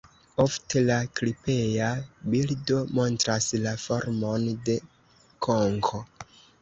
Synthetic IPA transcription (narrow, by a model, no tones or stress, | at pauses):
oftelaklipe̞jabildo̞mo̞ntɾaslafo̞ɾmo̞nde̞ | kʰoŋkʰo̞